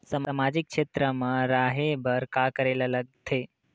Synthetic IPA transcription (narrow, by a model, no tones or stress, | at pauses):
samamad͡ʒɪkːʃet̪ɾəmə̃ɾaɦebʱəɾkakəɾelaləɡ̚t̪ʰe